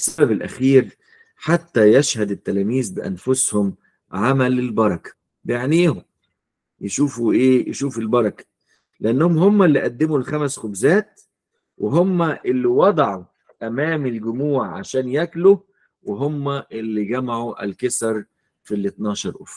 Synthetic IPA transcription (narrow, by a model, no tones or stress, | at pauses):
sːæbæbelʔæ̰xiːɾ | ħat̪ːæjæʃhæd̪ɪt̪ːælæːmiːzbɪʔæ̰nfʊshʊm | ʕamælelbɑɾˤɑkæ̥ | bejeʕniːhom | jeʃuːfuʔeːjḛʃuːfelbɑɾˤɑkæ̥ | leʔænːæhomhomːælːiʔæd̪ːemulxæmæsxobzæːt̪̚ | wʔeɦomːæʔelːiwɑd̪ˤɑʕu | t̪æmæːmelɡʊmuːʕʕa̰ʃæːnjæklu | weɦomːæʔelːiɡæmaʕuʔæ̰lkesɑɾˤ | filːet̪nɑːʃɑɾˤʔo̰ːf